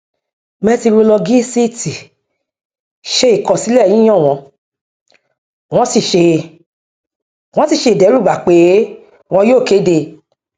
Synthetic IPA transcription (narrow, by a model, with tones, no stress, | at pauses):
mɛ̃˧ti˧ɾo˧lɔ˧ɡi˦si˦ti˨ | ʃe˧i˨kɔ˨si˨˦lɛ̃˦˨ĩ˦ɔ̃˦˨w̃ɔ̃˧ | w̃ɔ̃˦si˦˨ʃe˧ | w̃ɔ̃˨˦si˦˨ʃe˧˨dɛ˨˦ɾu˦˨ba˨k͡pe˨˦ | w̃ɔ̃˧˦joː˦˨ke˨˦de˧